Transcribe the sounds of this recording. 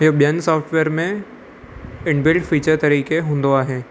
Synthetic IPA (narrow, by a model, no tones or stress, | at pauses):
ɦɪɦoɓijənɪ̆sɔːfʈʋeːɾmẽ | ɪ̃ɳbɪlɖfiːt͡ɕəɾt̪ɐɾiːkeɦũːn̆d̪oaːɦeː